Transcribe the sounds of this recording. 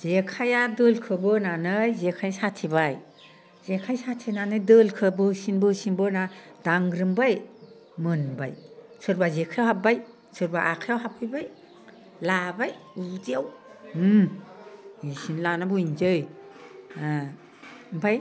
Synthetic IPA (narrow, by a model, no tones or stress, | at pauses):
z̥ekʰajadɯlkʰɯbɯnanɯjzekʰajasatʰebaj | z̥ekʰajsatʰenanɯjdɯlkʰɯbɯsinbɯsinbɔnad̥aŋɾɯmbaj | mɯnbajsɯɾbazekʰajawhap̚baj | sɯɾbaʔakʰajawɦap̚ʰɯjbaj | labajuziaw | isinlanabuind͡ʒɯj | mpʰaj